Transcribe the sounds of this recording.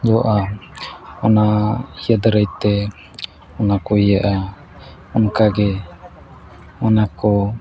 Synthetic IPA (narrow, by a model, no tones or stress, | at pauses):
d͡ʒɔʔa | ɔnaijad̪ɾajt̪ɛ | ɔnakɔijaʔa | ɔnkaɡɛ | manakɔ